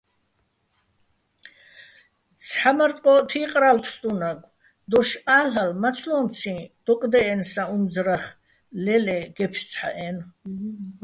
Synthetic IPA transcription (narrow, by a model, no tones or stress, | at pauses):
t͡sʰħamaɾt̪ʼqʼɔt̪ʰiːqʼɾalpʰst̪ʼunaɡʷʼ | d̪ɔʃaːlalmat͡sʰlɔmt͡sʰĩd̪̥ɔkʼd̪ɛːnsaumd͡zɾaχ | lɛlɛɡ̥ɛpʰʃt͡sʰħa̰ʔɛn